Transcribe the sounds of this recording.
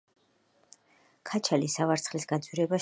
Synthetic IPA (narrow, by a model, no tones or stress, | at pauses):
kʰat͡ʃʰalisavaɾt̪sʰχlisɡ̥at̪sʼwiɾɛba